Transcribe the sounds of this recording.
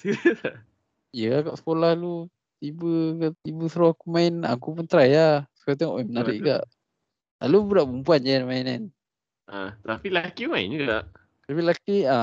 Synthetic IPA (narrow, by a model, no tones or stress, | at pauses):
ijəakaʔsə̥kolahlu | t̪ibəaʔt̪ibəsəɾoakumaɪna̰kupunt̪ɾajasə̥kat̪̬eŋɔʔɛmənaɾɪ̰ʔɡa̰ʔ | a̰lubəɾaʔbumpuand͡ʒanmainan | at̪apilakimaɪ̰nd͡ʒuɡa̰ʔ | t̪apilakia